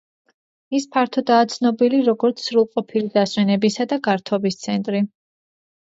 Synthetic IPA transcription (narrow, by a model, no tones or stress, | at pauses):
ispʰaɾt̪ʰɔd̪aːt̪sʰnɔbiliɾɔɡɔɾt̪sʰːɾulˠqʼɔpʰilid̪aswɛnɛbisad̪aɡaɾt̪ʰɔbist̪sʰɛnt̪ʼɾi